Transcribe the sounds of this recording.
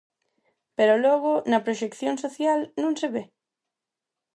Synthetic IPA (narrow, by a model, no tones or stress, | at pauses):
peɾolɔɣ̞ʊnɐpɾoʃekθjoŋsoθjalnõŋseβe